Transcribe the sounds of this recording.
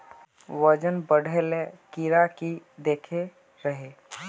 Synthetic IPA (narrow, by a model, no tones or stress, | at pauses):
wəd͡ʒənbəɽ̤ʱelekiɾakid̪ekʰe | ɾəɦe